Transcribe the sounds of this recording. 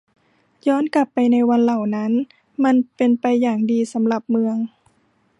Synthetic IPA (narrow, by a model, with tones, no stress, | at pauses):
jɔː˧˥˨nkla˧˩pːa˨˧jna˧jwa˧˨nla˨˩wna˦˥n | ma˧˥˨npe˧npa˧jːaː˨˩ŋdiː˨˧sa˩˦mla˧˩p̚mɯ˧əŋ